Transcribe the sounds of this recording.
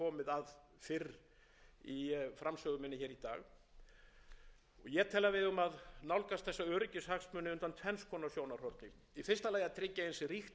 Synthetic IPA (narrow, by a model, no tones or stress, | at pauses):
ɔːmɪðað | fɪr | ifɾamsœːɣʏmɪnːɪçɛːɾit̪a̰ːɣ | ɔɣjɛt̪ʰɛlːavɪðʏmaðnawlkast̪θɛsːaœːɾɪcɪshaxsmʏnɪʏnt̪ant̪ʰɛnskʰɔːnasjoːwnaɾr̥hɔɾt̪nɪ | ifɪrst̪alaːjat̪ʰɾɪcːaɪnsrixt̪